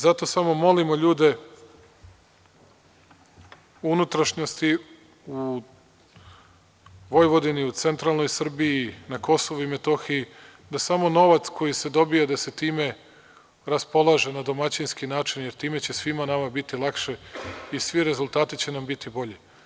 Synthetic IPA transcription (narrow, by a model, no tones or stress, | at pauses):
zat̪o̞samo̞mo̞limo̞ʎuːd̪e̞ | unut̪ɾaʃɲost̪i | u | ʋo̞jʋo̞d̪iniut̪se̞nt̪ɾaːlˠnojsr̩biinako̞soʋuime̞t̪o̞xiji | d̪asamo̞no̞ʋat̪sko̞jise̞d̪o̞bijad̪ase̞t̪iːme̞ | ɾaspo̞lˠaʒe̞nad̪o̞mat͡ɕinskinaːt͡ʃinjeɾt̪iːme̞t͡ɕe̞sʋimanamabit̪ilˠakʃe̞isʋiɾe̞zulˠt̪aːt̪it͡ɕe̞nambit̪ibo̞ʎe